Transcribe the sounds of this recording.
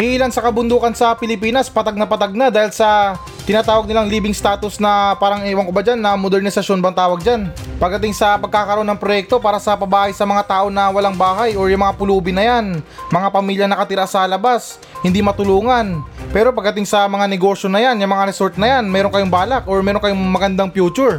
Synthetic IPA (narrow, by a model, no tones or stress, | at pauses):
kiʔiːlansɐkɐbʊnd̪uːkɐnsɐpɪlɪpiːnɐspɐt̪aɡ̚nɐpɐt̪aɡ̚nad̪aːhɪlsɐ | t̪ɪnaːt̪aːwɐɡ̚nɪlaŋliːbɪŋst̪aːt̪ʊsnɐpaːɾɐŋɪwaŋkʊbad͡ʒanːɐmod̪ɛɾnɪsɐsʃjo̞nbɐŋt̪aːwɐɡ̚d͡ʒanpɐɡ̚d̪ɐt̪ɪŋsɐpɐɡ̚kːaːkɐɾoʔo̞nːɐŋpɾojɛk̚t̪o̞paːɾɐsɐpɐbaːhɐjsɐmɐŋat̪aːʔo̞nɐwɐlaŋbaːɦɐjo̞ɹjʊŋmɐŋapʊluːbɪnɐjanmɐŋapɐmiːljɐnɐkɐt̪ɪɾasɐlɐbas | hɪnd̪imɐt̪ʊluːŋɐnpɛːɾo̞pɐɡ̚d̪ɐt̪̬ɪŋsɐmɐŋanɛɡo̞ːʃjo̞nɐjanjʊŋmɐŋaɾɛso̞ɾt̪̚nɐjanmɛːɾoŋkɐjoŋbaːlɐkʔoɹmɛːɾoŋkɐjoŋmɐɡɐnd̪aŋpjuːt͡ʃʊɹ